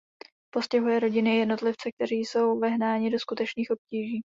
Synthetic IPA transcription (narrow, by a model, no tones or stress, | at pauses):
po̞scɛɦujɛɾo̞ɟɪnɪjɛdno̞t̪lɪft͡sɛk̚t̪ɛɾiːjso̞wvɪɦnaːɲɪdo̞skut̪ɛt͡ʃniːxo̞p̚ciːʒiː